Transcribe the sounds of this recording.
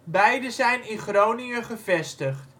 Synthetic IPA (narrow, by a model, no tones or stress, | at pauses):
bɛjdəzɛjnɪnχrownɪəχəvɛstəχt